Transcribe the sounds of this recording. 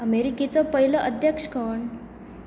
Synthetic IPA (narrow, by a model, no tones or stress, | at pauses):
əmeɾiket͡sɔpəɦilɔʔəd̪ʱjəkʂkɔɳ